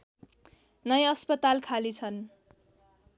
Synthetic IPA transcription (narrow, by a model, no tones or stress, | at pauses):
nʌjʌspʌt̪alkʰalit͡sʰʌn